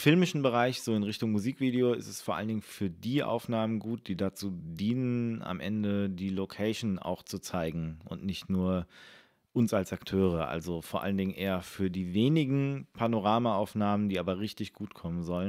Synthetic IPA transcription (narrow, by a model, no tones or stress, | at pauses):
fɪlmɪʃn̩bəʁaɪçz̥oːɪnʁɪçtʊŋmuziːkv̥iːdeoːɪ̰stɛsfoːɐʔa̰ləndɪŋəfyːɐdiːʔa̰ʊfnaːmənɡuːt̚d̥iːdat͡suːdiːnəna̰mʔɛ̰ndədiːlokʰɛɪʃn̩a̰ʊxt͡sut͡saɪɡŋ̩ʔʊ̰ntnɪçtnuːɐ | ʔʊnsalsaktʰøːʁ̞əʔa̰lzofoɐʔa̰ləndɪŋnʔeːɐfyːɐdiːveːnɪɡŋ̩pʰanoʁ̞aːmaaʊfnaːməndiːaːbɐʁɪçtɪçɡ̥uːtkʰɔmənzɔlən